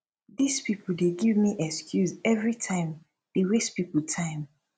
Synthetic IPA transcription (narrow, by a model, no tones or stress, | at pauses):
ðispipʰl̩deɡivmiʔɛkskʰjuzɛvɹitʰãɪ̃m | d̥ewestpipl̩tʰãɪ̃m